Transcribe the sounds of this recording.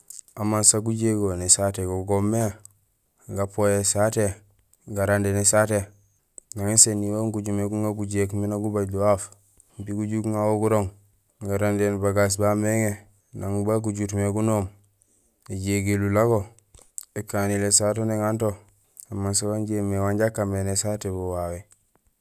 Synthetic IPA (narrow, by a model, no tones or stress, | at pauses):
amansaɡuɟeɡonisateɡoɡomːe | ɡapojesate | ɡaɾandenisate | naŋesenːiwoŋkuɟumeɡuŋaɡuɟekminaɡubaɟduwaf | mpiɡuɟukŋawoɡuɾoŋ | ɡaɾandenbaɡas̬bameŋe | naŋbak̬uɟutmeɡunoːm | eɟeɡelulaɡo | ekanilesat̬oneŋanto | amans̬awanɟemːewaɲɟakːamenesatebuwawe